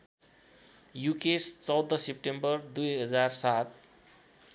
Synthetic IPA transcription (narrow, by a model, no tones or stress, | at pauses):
jukest͡sʌwd̪ʌsep̚ʈembʌrd̪ujɦʌd͡zarsat̪̚ʰ